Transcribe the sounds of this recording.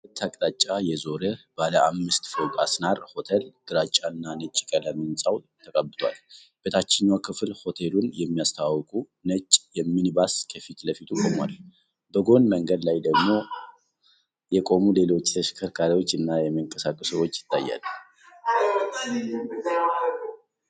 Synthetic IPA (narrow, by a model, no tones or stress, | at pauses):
t̪ʰːakʼt̪ʼat͡ʃʼːajɛzo̞ɾəb̥aləamːɨst̪fəwkʼa̰snaɾho̞t̪ʰelɡ̥ɨɾat͡ʃʼːanːanət͡ʃʼːi̥kʼələminsʼaw | t̪ʰəkʼəbːɨt̪ʰwa̰l | b̥et̪ʰat͡ʃːɛɲːwakʰɨflho̞t̪ʰelunjɛmːijast̪ʰawkʼu | nət͡ʃʼːjɛmːinbaskʰəfit̪ləfit̪ʰukʼomua̰l | bəɡo̞nməŋɡəd̪lajd̪əɡmo̞ | jɛkʼo̞mule̞lo̞t͡ʃːt̪ʰəʃkʰəɾkʰaɾiwo̞t͡ʃːɨnːajɛməŋkʼəsakʼəsəwo̞t͡ʃːjɪ̥t̪ːa̰jːa̰l